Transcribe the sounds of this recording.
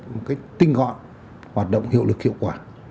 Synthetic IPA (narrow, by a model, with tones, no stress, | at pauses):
mo˨˩t̚kaː˨˦jt̪ï˧ŋ̟ɣɔ̰˧˨n | hwaː˨˩t̚ɗə̰˧˨wŋ͡mhḭ˧˨əwlɨ˨˩k̚hḭ˧˨ə˨wkwaː˧˩